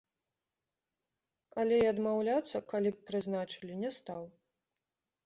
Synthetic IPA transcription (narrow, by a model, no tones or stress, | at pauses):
ɐlʲɛiɐd̪mawlʲat̪sːɐkalʲippːɾɨznat͡ʂɨ̥lʲinʲɛst̪aw